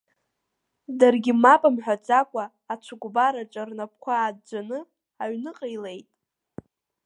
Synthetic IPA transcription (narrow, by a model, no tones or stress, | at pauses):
darɡʲɪmapʼamħʷᶣat͡sʼakʷʼaː | t͡ʃʷʰaɡʷbaɾaʈ͡ʂʷʼarnap̚ʰkʷʰaːd̚d͡ʒʷanɨ | aɥnɨqʼəjle̞jtʼ